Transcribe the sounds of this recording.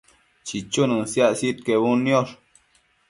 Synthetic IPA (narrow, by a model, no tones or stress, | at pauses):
t͡ʃit͡ʃunɨsjaʔsit̪̚keβunjoʂ